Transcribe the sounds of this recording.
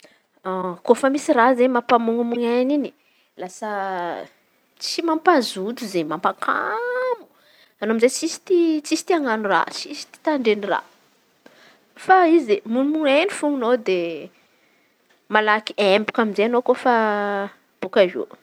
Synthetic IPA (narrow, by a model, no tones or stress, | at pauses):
akofəmisirazemapamuŋumuŋanini̥ | lasə | t͡simampazud̪uzemampakʰamu̥ | anoamizet͡sisi̥t̪it͡sisi̥t̪iaŋanura̰t͡sisi̥t̪i̥t̪aɳɖ͡ʐenira̰ | faizemunimuŋenifuŋunod̪e | malakiembukaminzeanokofa | b̥ukavḛ